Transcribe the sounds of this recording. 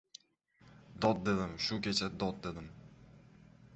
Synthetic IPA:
d̪ɒt̪̚d̪e̞d̪ɪmʃʊkʲet͡ʃʰad̪ɒt̪̚d̪ed̪ɪm

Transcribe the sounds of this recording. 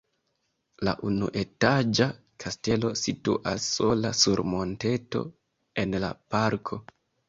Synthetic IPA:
la̰ʔunuʔe̞tad͡ʒa | kʰaste̞lo̞situʔasːo̞lasuɾmo̞nte̞to̞̰ | e̞nla̰paɾkʰo̞

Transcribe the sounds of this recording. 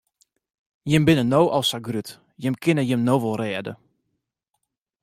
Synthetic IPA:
jɪmbɪnənowʔɔlˠsaɡryt | jɪmkʰɪnəjɪmnoːʋɔlˠrɛːədə̰

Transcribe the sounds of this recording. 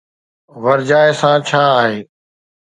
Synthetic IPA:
ʋɐɾd͡ʑaːesãːt͡ɕʰaːaːɦeː

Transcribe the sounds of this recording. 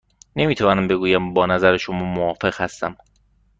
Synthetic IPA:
ne̞miːt̪ʰævɒːnæmbe̞ɡuːjæmbɒːnæzæɾeʃomɒːmoɒːfe̞ɣ̥hæst̪æ̰m

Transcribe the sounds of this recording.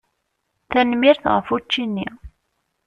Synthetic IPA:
θænmiɾθʁə̰fut͡ʃːinːḭ

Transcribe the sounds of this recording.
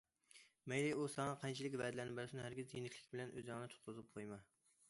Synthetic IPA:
mɛjlɪusɑŋɑqʰɑnt͡ʃʰilɪkʲvɛd̪ɪlænɪbɛlsɪnɪhæɾɡʲizjenɪkʲlɪkʲbɪlɛnʔø̰zjɑŋnɨt̪ʰʊ̥t̪̚qʊzɨp̚qʰojmɑ

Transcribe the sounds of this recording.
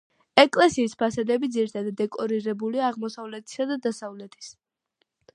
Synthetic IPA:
ɛkʼlɛsiːspʰasad̪ɛbid̪ziɾit̪ʰad̪ad̪ɛkʼɔɾiɾɛbuliaːʁmɔsavlɛt̪ʰi̥sad̪ad̪asavlɛt̪ʰi̥s

